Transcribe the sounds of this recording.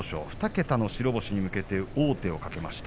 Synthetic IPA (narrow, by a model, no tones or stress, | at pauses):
oɕo̰ɸɯ̥t̪ake̞t̪ano̞ɕiɾo̞bo̞ɕiɲ̟imɯ̟ke̞t̪e̞oːt̪e̞o̞kake̞maɕi̥t̪a